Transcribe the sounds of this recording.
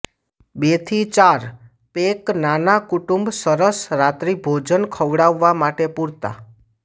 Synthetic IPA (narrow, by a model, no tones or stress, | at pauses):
bet̪ʰit͡ʃaɾ | peknanakuʈumbsəɾəsɾat̪ɾibʱod͡ʒənkʰəʋɽaʋːamaʈepuɾt̪a̰